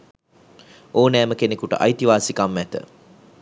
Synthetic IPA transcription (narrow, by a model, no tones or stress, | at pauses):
oːnæːməkenekuʈə̰ʔa̰jt̪iʋaːsikamːæt̪ə̰